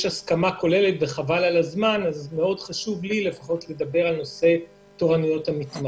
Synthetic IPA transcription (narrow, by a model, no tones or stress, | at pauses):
ʃaskamako̞le̞let̚beχavalalazmanazme̞o̞dχaʃuvlile̞faχo̞tle̞d̪abe̞ʁalno̞se̞ | to̞ʁanijo̞thamitma